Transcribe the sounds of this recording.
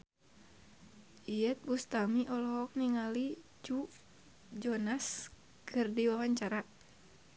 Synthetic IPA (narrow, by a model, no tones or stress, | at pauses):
ʔijət̪̚bust̪amiʔɔlɔɦɔk̚niŋali | d͡ʒu | d͡ʒɔnas | kʰɨrdiwawaɲt͡ʃaɾa